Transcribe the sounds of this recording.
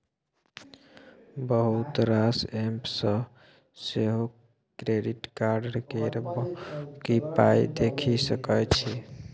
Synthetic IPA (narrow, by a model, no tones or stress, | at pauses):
bəɦut̪ɾasempsə̃ | seɦo | kɾeɖiʈkaɾɖəɾkeɾbkipajd̪ekʰisəkət͡ʃʰi